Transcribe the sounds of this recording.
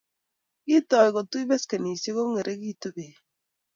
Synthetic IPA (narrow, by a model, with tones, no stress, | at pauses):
ki˦tɔ˨i˨ko˨tu˦i˦be˦ske˨ni˨se˦ko˦ŋe˨ɾʔe˦ki˦˨to˦be˨